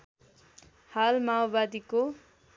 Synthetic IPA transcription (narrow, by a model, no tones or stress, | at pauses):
halmawbad̪iko